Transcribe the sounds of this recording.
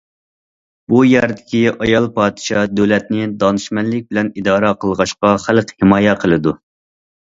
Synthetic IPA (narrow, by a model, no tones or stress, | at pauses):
bujæɾd̪ɪkʲiɑjɑlˠpɑːd̪ɪ̥ʃɑd̪øwlɛt̪̚nɪd̪ɑnɨʃmɛnlːɪkʲbɪlɛnid̪ɑːɾɑqʰəlˠʁɑʃqɑχælqhɪmɑːjɛqʰəlˠɨd̪u